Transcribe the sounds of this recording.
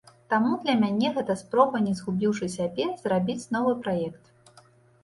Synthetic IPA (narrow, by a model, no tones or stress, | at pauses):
t̪amud̪lʲɐmʲanʲɛɣɛt̪ɐspɾɔbɐnʲɛzɣubʲiwʂɨsʲabʲɛzrabʲit͡sʲnɔvɨpɾajɛkt̪